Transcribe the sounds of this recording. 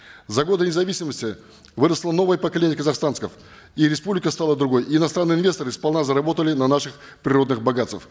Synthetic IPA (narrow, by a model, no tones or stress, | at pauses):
zɐɡo̞d̪ənʲɪzɐvʲisʲɪməsʲtʲɪ | vɨɾəslˠəno̞vəjəpəkɐlʲenʲjəkəzɐxst̪anskəf | iɾʲɪspublʲɪkəst̪alˠəd̪ɾʊɡo̞jːnɐst̪ɾanːɨjɪnvʲe̞st̪əɾɨspɐlˠnazəɾɐbo̞t̪əlʲɪnɐnaʂɨx | pɾʲɪɾo̞d̪nɨxbɐɡat̪st̪əf